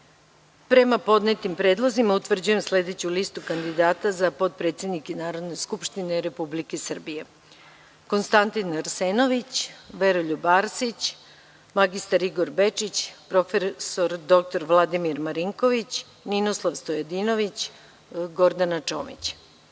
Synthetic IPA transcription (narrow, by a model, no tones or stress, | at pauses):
pɾe̞mapo̞d̪net̪impɾe̞ːd̪lˠozimaut̪ʋr̩d͡ʑuje̞msle̞d̪e̞t͡ɕulist̪ukand̪id̪aːt̪azapo̞d̪̚pɾe̞t̪sje̞d̪nikenaːɾo̞d̪ne̞skupʃt̪ineɾe̞publikesr̩bije̞ | ko̞nst̪ant̪inaɾseːno̞ʋit͡ɕʋe̞ɾoʎubaːɾsit͡ɕ | maɡist̪aɾiɡo̞ɾbe̞t͡ʃit͡ɕpɾo̞fesoɾd̪o̞k̚t̪o̞ɾʋlˠad̪imiɾmaɾiŋko̞ʋit͡ɕ | ninoslˠaʋst̪ojed̪ino̞ʋit͡ɕ | ɡo̞ɾd̪anat͡ʃo̞̰ːmḭt͡ɕ